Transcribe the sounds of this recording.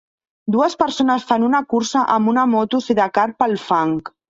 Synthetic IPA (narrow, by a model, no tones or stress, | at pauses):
d̪uəspəɾsonəsfanunəkuɾsəʔəmbunəmot̪usiðəkaɾ̚pəlˠfaŋk